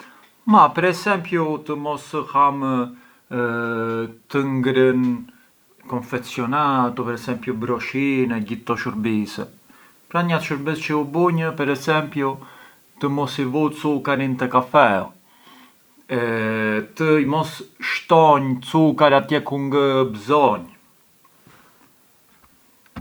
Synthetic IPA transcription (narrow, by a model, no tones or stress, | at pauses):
mapɛɾɛsɛmpjut̪əmɔsham | t̪əŋɡɾən | kɔnfɛsjɔnat̪upɛɾɛsɛmpjubɾɔʃinɛɟit̪ːɔʃəɾbisɛ | pɾaɲat̪ʃəɾbist͡ʃəubuɲəpɛɾɛsɛmpju | t̪əmɔsivut͡sukaɾint̪əkafɛ | ɛt̪əimɔsʃt̪ɔɲt͡sukaɾat̪jɛkuŋɡəbzɔɲ